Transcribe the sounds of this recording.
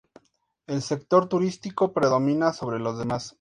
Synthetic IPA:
e̞lse̞kt̪o̞ɾt̪uɾist̪iko̞pɾe̞ðo̞mĩnaso̞β̞ɾe̞lo̞zðe̞mas

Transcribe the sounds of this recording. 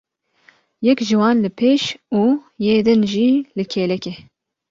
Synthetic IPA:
jɛkʒiwɑːnlɨpʰeːʃuːjeːd̪ɨnʒiːlɨkʰeːlɛke

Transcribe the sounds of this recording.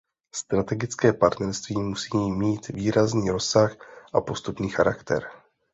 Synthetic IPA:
st̪ɾat̪ɛɡɪt͡skɛːpaɾt̪nɛɾst̪viːmusiːmiːt̪viːɾazniːɾo̞sːaxʔapo̞st̪upniːxaɾakt̪ɛ̰ɾ

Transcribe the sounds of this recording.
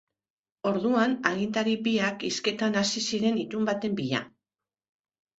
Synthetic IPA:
o̞ɾðuanaɣint̪aɾipiakiske̞t̪anasisiɾe̞nit̪umbat̪e̞mbiʎa̰

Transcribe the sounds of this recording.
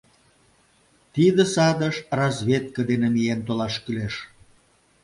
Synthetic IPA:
t̪id̪ə̆sɑd̪əʃrɑzʲβʲet̪̚kəd̪enemient̪olɑʃkyleʃ

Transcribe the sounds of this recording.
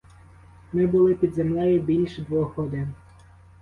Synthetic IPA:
mɪbʊlˠɪpʲid̪zemlʲɛjɪbʲilʲʃd̪ʋɔxɔd̪ɪ

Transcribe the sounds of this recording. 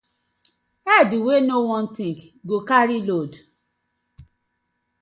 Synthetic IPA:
aduwenowɔ̃n̩tĩɡɡokaɾilod

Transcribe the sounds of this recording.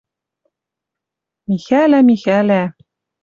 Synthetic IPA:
mixælæmixælæ

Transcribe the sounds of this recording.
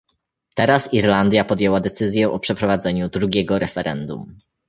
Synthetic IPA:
t̪ɛɾasiɾland̪ʲjapɔd̪jɛwad̪ɛt̪sɘzʲjɛʔɔpʂɛpɾɔvad̪zɛɲud̪ɾuɡʲɛɡɔɾɛfɛɾɛ̰nd̪ṵm

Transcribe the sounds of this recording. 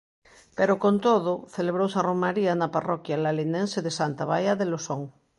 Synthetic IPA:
peɾokont̪oðoθeleβ̞ɾowsaromːaɾianaparɔkjalalinẽnseðesant̪aβajaðelosoŋ

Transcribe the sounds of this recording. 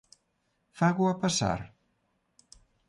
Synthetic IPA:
faɣuapasa̰ɾ

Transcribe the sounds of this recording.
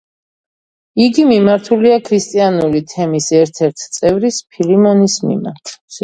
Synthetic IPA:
iɡimimaɾt̪ʰuliakʰɾist̪ʼianulit̪ʰɛmisɛɾt̪ʰɛɾt̪ʰt̪sʼɛvɾispʰilimɔnismḭma̰ɾt̪ʰ

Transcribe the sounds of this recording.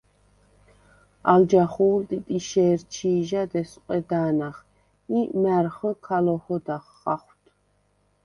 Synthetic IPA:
ald͡ʒaχuːlt̪ʼit̪ʼiʃɛːɾt͡ʃʰiːʒad̪ɛsqʼɛd̪aːnaχ | imæɾχəkʰalɔhɔd̪aχːa̰χwt̪ʰ

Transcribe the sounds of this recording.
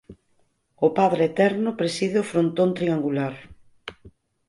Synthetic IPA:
ʊpaðɾeːt̪ɛɾnʊpɾesiðɪʊfɾont̪õnt̪ɾiaŋɡulaɾ

